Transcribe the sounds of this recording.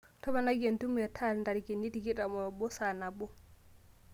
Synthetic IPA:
tɔ˦ba˨na˦ɡe˨ntu˦mɛ˨tʰa˦lnda˨ɾikini˦tiki˦ta˨mɔ˨bɔ˦sana˨bɔ˦

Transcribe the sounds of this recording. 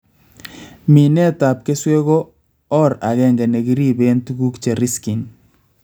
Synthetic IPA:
mi˨nɛ˦ta˨p̚ke˦swe˦ɣo˦ | ɔ˦˨ɾa˨ɣɛ˦ŋɡɛ˨ne˨ki˦ɾi˦βe˦ntu˦ɡu˦kt͡ʃe˨ɾi˦ski˨n

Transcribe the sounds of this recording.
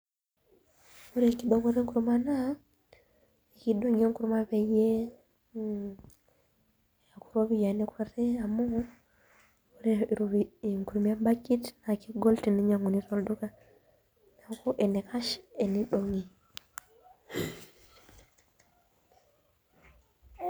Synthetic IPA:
u˦ɾe˨ŋki˨ɗo˦ŋu˦ɾe˦ŋku˨ɾu˦ma˦na˦ | i˨ki˦ɗo˦ŋi˦e˦ŋ˦ku˨ɾuma˦βe˨je˦ | a˨ku̥˨ɾo˦βi˨ja˨ni˦kʰɔ˦ɾe˦a˨mu˦ | u˦ɾe˨ɾu˨βiŋku˨ɾuma˦mba˦ki˦tna˨ki˦ɡɔ˦ltini˦ɲa˨ŋu˨ni˦to˦ldu˦ka˦ | na˨˦ko˦ʔɛ˨ne˨ka˦ʃḁe˨ni˦ɗo˨ŋi˨

